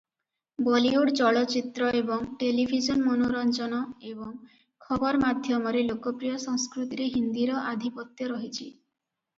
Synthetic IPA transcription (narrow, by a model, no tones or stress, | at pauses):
bɔliuɽt͡ʃɔɭɔt͡ʃit̪ɾɔebɔŋʈelibʱid͡ʒɔnmonoɾɔnt͡ʃɔnɔebɔŋ | kʰɔbɔɾɔmad̪ʱjɔmɔɾelokɔpɾijɔsɔŋskɾut̪iɾeɦind̪iɾɔʔad̪ʱipɔt̪jɔɾɔɦit͡ʃʰi